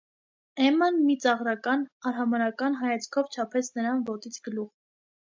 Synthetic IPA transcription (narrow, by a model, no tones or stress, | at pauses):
ɛmɑnmit͡sɑʁɾɑkɑnɑɾɦɑmɑnɑkɑnɦɑjɑt͡sʰkʰɔvt͡ʃʰɑpʰɛt͡sʰnəɾɑnvɔt̪it͡sʰɡəluʁ